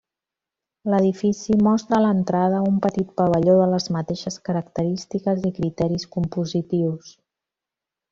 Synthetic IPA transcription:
ləðifisimɔst̪ɾələnt̪ɾaðəumpət̪it̪̚pəβəʎoðələzmət̪eʃəskəɾəkt̪əɾist̪ikəzikɾit̪ɛɾiskumpuzit̪iws

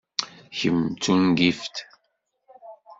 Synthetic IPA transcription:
çəmt͡sunɡift̪

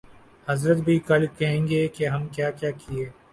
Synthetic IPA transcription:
hɐzɾət̪bʱikɐlkɐɦẽːŋɡeːkeɦɐmkjaːkjaːkʰieː

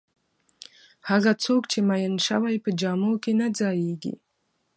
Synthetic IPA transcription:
haɣat͡sokt͡ʃemajənʃə̰wajpəd͡ʒɑmokenad͡zɑjeɡḭ

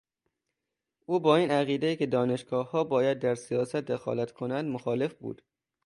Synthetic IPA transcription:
ʔuːbɒːiːnæɣiːd̪eiːke̞d̪ɒːne̞ʃɡɒːhɒːbɒːjæd̪̚ːæɾsijɒːsæt̪̚d̪exɒ̰ːlæt̪kʰonænd̪moxɒːle̞fbṵːd̪̥

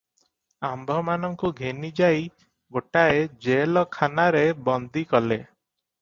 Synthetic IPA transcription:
ambʱɔmanɔŋkuɡʱenid͡ʒaj | ɡoʈaed͡ʒelɔkʰanaɾebɔnd̪ʱikɔle

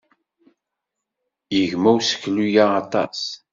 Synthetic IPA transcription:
jəʝmæwsə̥kːlujaːt̪ˤɑ̰s

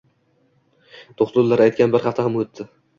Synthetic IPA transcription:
d̪̥ʰoχlˠʊɾlːˠaɾajt̪̚kʲanbɪɾhaft̪ahamɵt̪ʰːɪ

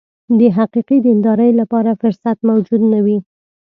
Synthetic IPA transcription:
d̪əɦaqiqid̪əɪnd̪ɑɾəjlapɑɾafʊɾsat̪mawd͡ʒud̪nawi

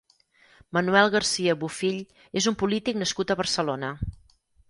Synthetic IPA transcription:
mənuɛlˠɣərsiəβufiʎ | ezumpulit̪iknəskut̪əβərsəlonə

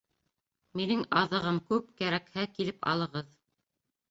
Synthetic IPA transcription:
minɘŋɑðɤ̆ʁɤmkʉp̚kæɾækhækilɘpɑ̰lˠɤ̆ʁɤð

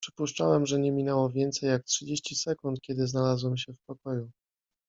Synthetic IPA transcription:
pʂɘ̥puʂt͡ʂawɛmʐɛɲɛmʲinɛwɔvʲjɛnt̪sɛjːak̚tʂɘd͡ʑeɕt͡ɕisɛkunt̪̚kʲɛd̪ɘznalazwɛmɕɛfpɔkɔju

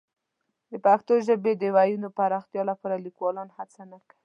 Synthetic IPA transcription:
d̪əpaxt̪oʒəbed̪əwajunopaɾɑxt̪jɑlapɑɾalikwɑlɑnhat͡sanaki

